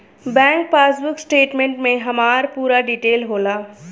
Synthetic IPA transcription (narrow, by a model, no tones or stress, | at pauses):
bɛ̃ːŋk̚paːsbʊksʈeːʈmẽːɳʈmẽɦɐmaːɾpuːɾaɖiːʈeːlɦoːlaː